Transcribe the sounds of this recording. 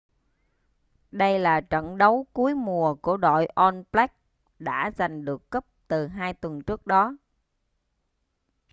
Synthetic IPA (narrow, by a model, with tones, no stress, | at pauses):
ɗə˧jlaː˨˩t͡ɕə̰˧˨nɗə˨˦wku˨˦əjmu˨˩əku˧˩əɗo̰˧˨jʔɔ˧nplɛ˦˥k̚ | ɗa̰ː˧˥za˨˩jŋ̟ɗɨ˨˩əkːə˦˥p̚t̪ɨ˨˩ɦaː˧jt̪wə˨˩nt͡ɕɨ˦˥ək̚ɗɔ˨˦